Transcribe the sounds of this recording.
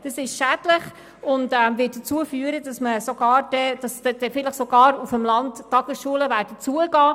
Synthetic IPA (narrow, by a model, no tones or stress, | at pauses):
d̥ɑsɪʃʃædlɪχ | ʊndɛmvɪːt̚dət͡suəfyːəɾəd̥ɑsməsoɡ̥ɑːɾd̥ɛdɑsɛd̥ɛfɪləχsoɡ̥ɑːɾufəmlɑnttːɑɡ̥əsʃuələvæːdət͡suəɡ̥ɑː